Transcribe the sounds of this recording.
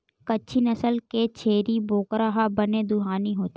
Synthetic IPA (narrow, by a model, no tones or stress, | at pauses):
kɐtːʃʰinɐsəlket͡ʃʰeːɾiboːkɾaɦabɐned̪ʊɦaːniɦoːt̪e